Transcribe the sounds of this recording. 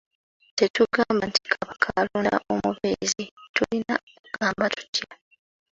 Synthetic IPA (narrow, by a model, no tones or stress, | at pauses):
te̞tuɡaːmbanti̥kʰaβakʰaluna̰ʔo̞muβezitulinakɡ̥aːmbatu̥tja